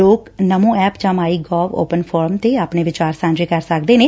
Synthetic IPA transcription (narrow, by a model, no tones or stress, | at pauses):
oːknəmũːɛːpd͡ʒãːmaːiːɡɔːʋo̰ːpənpʰɔːɾəmt̪eːaːpneːʋɪt͡ʃaːɾsãːnɾeːkəɾsək̚d̪eːneː